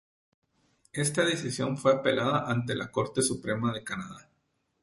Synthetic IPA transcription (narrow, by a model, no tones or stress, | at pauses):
e̞st̪aðesisjo̞ɱfwe̞ape̞lʔaðaʔant̪̬e̞la̰ko̞ɾt̪e̞supɾe̞maðe̞kanaða